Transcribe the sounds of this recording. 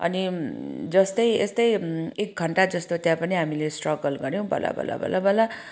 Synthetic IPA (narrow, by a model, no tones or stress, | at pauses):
ʌ̰nid͡zʌst̪ʌjest̪ʌjek̚ɡʱʌɳʈad͡zʌst̪ot̪jãpʌniɦamilesʈrʌɡʌlɡʌɾjõbʱʌ̰la̰bʱʌ̰la̰bʱʌ̰labʱʌla